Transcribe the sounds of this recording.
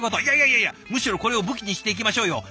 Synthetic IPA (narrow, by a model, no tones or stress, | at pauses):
kot̪oijaijaijajamɯ̟ɕiɾo̞ko̞ɾe̞o̞bɯ̟kʲiɲ̟iɕi̥t̪eikʲimaɕo̞ːjo̞